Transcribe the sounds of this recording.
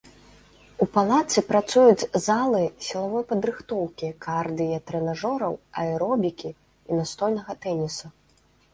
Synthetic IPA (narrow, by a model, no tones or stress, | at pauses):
upalˠat̪sɨpɾat̪sujud͡zʲzalˠɨsʲilˠavɔjpɐd̪ɾɨxt̪ɔwkʲikard̪ɨjɐt̪ɾɛnaʐɔɾɐwɐ̰ɛɾɔbʲikʲi | inast̪ɔlʲnɐɣɐt̪ɛnʲisu